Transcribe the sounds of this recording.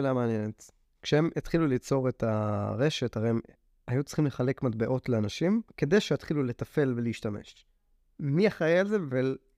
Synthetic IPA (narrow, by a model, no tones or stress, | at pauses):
lameanjenet | kʃehemʔetχilulit͡so̞ʁetaʁe̞ʃetaʁeim | ajut͡si̥χimle̞χale̞kmatbeʔo̞tleanaʃimke̞d̪ejʃeatχilule̞tafe̞lveliːʃtamḛʃ | miaχajealzebvel